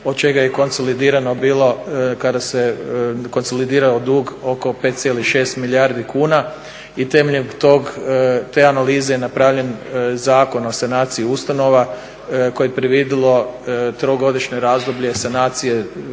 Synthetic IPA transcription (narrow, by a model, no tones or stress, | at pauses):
od̪̚t͡ʃe̞ɡajeko̞nso̞lid̪iːɾano̞biːlˠo̞kad̪aseko̞nso̞lid̪iːɾalod̪uːɡo̞ko̞pe̞t̪sʲjeliʃe̞ːst̪miliaɾd̪ikuːna | it̪e̞meʎet̪oɡt̪e̞ːanaliːzejenapɾaʋʎe̞nzaːko̞no̞sanaːt̪siiust̪ano̞ʋa | ko̞jeepɾeʋid̪ilˠo̞t̪ɾoɡo̞d̪iʃɲoɾaːzd̪obʎe̞sanaːt̪sije